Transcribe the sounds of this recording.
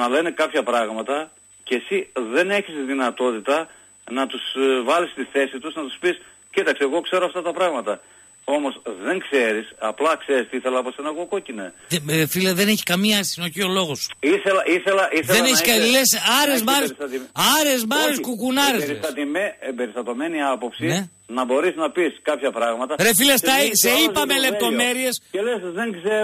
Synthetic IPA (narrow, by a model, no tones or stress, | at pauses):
nɐle̞nekɐpçɐpɾɐɣmɐt̪ɐ | cesiðe̞ne̞çisðinɐt̪o̞t̪it̪ɐ | nɐt̪usvɐlist̪iθe̞sit̪uznɐt̪u̥spis | cit̪ɐkseːɣo̞kse̞ɾoɐft̪ɐt̪ɐpɾɐɣmɐt̪ɐ | o̞mo̞sðe̞ŋkse̞ɾisɐplɐkse̞ɾist̪iiθelɐposenɐɣoko̞cineeefilɐðeneçi̥kɐmiɐsθino̞çio̞lo̞ɣosiθelɐʔiθelɐʔisðeneçikɐlesɐɾezmɐɾessɐt̪iɐɾezmɐɾeskukunɐɾest̪ɐt̪imeembe̞ɾist̪ɐt̪o̞me̞niɐpo̞psine | nɐbo̞ɾisnɐpiskɐpçɐpɾɐɣmɐt̪ɐɾefilesɐseipɐmele̞p̚t̪o̞me̞ɾie̞scelesðeŋkseɾ